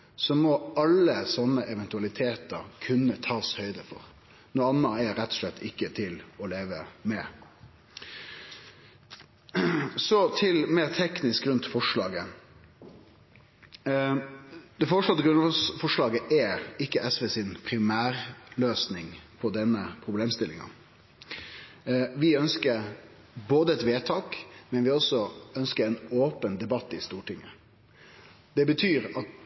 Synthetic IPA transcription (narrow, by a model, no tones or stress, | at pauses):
sɔmɔɑlːəsɔnːəʔɛʋɛnt̪ʉɑlɪt̪ʰeːt̪əɾkʰʉnːət̪ʰɑːshœʏd̪əfɔ̰ɾ | nuːɑnːəɛɾɛt̪ːɔ̥ʂlɛt̪ʰːɪkːət̪ʰɪlɔleːʋəmɛ | sɔt̪ʰɪlmeːɾt̪ʰɛknɪskɾʉnt̪fɔʂɭɑːɡə | d̪̥ɛfɔɾʂlɔt̪ːəɡɾʉnsfɔʂɭɑːɡəʔɛɪkːəʔɛsʋeːsɪnpʰɾɪmæːɾløːsnɪŋpʰɔd̪ɛnːəpʰɾʊbleːmst̪ɪlːɪ̰ŋɑ̰ | ʋɪœnskəɾ | boːd̪əɛt̪ʋeːt̪ʰɑːkmɛnʋɪɔsɔœnskəɾɛnoːpənd̪ɛbɑt̪ːɪst̪uːʈɪŋːə | d̪̥ɛbət̪ʰyːɾɑt̪